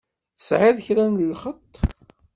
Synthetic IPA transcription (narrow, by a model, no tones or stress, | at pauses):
θəsʕaðçɾænðəlχət̪ˤː